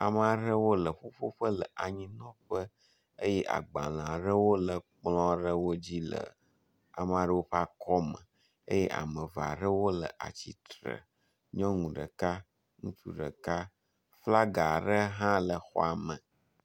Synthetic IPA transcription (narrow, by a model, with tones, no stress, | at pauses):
a˨m˦a˨ɖə˦wo˦lə˨ɸo˦ɸo˦ɸə˦lə˨ʔa˨ɲĩ˦nɔ̃˦ɸə˦ | ə˦jɛ˦ʔa̰˨ɡ͡ba˨l̃a˨ɖə˦wo˦lə˨k͡plɔ̃˦ɖə˦wo˦d͡ʑi˦lə̰˨ | a˨m˨a˨ɖə˦wo˦ɸa˦kʰɔ˦mə̰̃˨ | ḛ˦je˦ʔa̰˨mə̃˨va̰˨ɖə˦wo˦lə̰˨ʔa̰˨t͡ɕi˨t̪ɾə̰˨ | ɲɔ̃˦ŋũ˨ɖə̰˨ka˦ | ŋṵ̃˦t͡ʃṵ˦ɖə̰˨ka˦ | fla˦ɡa˨ɖə˦ɦã˦lə˨xɔ̰˦a˨mə̃˨